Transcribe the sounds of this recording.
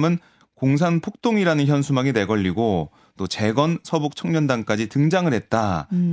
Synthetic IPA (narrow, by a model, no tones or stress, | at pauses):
mɯn | koŋs̬ʰanpʰok̚t͈oŋiɾanɯnçjʌnsʰumaŋine̞ɡʌʎːiɡo | t͈ot͡ɕe̞ɡʌnsʰʌbuk̚t͡ɕʰʌŋɲʌndank͈ad͡ʑitɯŋd͡ʑaŋɯɭɦe̞t̚t͈a